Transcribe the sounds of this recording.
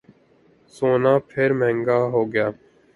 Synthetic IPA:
soːnaːpʰɪɾmɛ̃ːŋɡaːɦoːɡɪjaː

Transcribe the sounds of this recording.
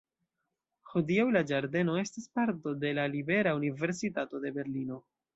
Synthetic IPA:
hodiawlad͡ʒaɾde̞no̞e̞stispaɾto̞de̞lalibe̞ɾaunive̞ɾsitato̞de̞be̞ɾlino

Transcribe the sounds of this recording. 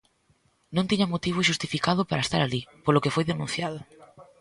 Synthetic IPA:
nõnt̪iɲɐmot̪iβ̞ʊʃ̬ust̪ifikaðʊpaɾaest̪a̰ɾalipolʊkefojðenũnθjaðʊ

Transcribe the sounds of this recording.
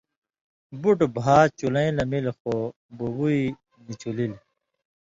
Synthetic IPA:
buʈbʱaːt͡ɕulɐ̃ĩlɐmilxo | bobui | nit͡ɕʰulil

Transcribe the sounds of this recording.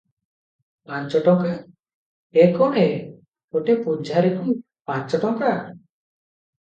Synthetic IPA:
pãnt͡ʃɔʈɔ̃ŋka | ekɔɽe | oʈepud͡ʒʱaɾekum | pãt͡ʃɔʈɔŋka

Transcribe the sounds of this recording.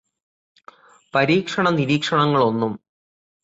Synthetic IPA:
pɐɾiːkʂɐɳɐniɾiːkʂɐɳɐŋːɐɭo̞nːum

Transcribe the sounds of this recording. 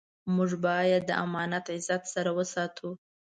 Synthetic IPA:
mʊʐbɑjad̪ːə̰ʔa̰mɑnat̪ʕɪzat̪saɾawəsɑt̪ʰu

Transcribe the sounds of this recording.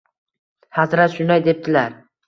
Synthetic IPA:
hazɾat̪ʃʊnd̪ajd̪e̞p̚t̪ʰɪlaɾ

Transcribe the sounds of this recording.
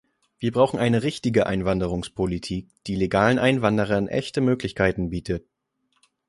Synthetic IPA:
v̥iːɐbʁaʊxχn̩ʔaɪnəʁɪçtɪɡəʔa̰ɪnvandəʁ̞ʊŋspʰolitʰiːk̚d̥iːleɡaːlənʔaɪnvandəʁɐnʔɛ̰çtəmøːklɪçkʰaɪtn̩biːtʰət

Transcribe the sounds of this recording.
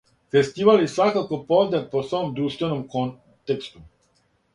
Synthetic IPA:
fe̞st̪iːʋaljesʋakako̞pozd̪eposʋomd̪ɾuːʃt̪ʋe̞nomkon | t̪ekst̪u

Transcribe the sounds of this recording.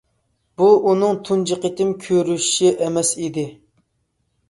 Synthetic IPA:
b̥uunɨŋt̪ʰund͡ʒiqət̪ɪmkʲʰøɾyʃʃiʔɛmɛsid̪ɪ

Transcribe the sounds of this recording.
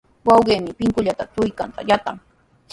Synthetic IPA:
wɑwɢeːmɪpɪŋkʊʎat̪at̪ʊjkant̪a̰jat̪aŋ

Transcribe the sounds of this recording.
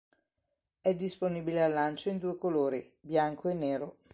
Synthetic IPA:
ɛd̪ːisponiːbilealːant͡ʃoind̪uːekoloːɾi | bjaŋkʰoenːeːɾo

